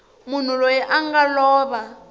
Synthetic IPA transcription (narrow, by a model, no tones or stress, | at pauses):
mun̤ulojiʔaŋɡalɔːβa